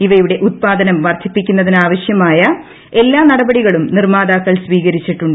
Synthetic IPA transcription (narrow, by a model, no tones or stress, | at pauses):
iʋɐjjuɽe̞ʔut̪̚paːd̪ɐnɐmʋɐrt̪ʰipːikʲːunːɐðinaːʋɐɕjɐmaːjɐ | e̞lːaːnɐɽɐbɐɽiɣɐɭumnirmaːd̪aːkːɐɭsʋiːɣɐɾit͡ɕːiʈːuɳɖɨ